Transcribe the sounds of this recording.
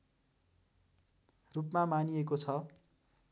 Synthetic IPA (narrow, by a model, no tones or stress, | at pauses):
rupmamaniekot͡sʰʌ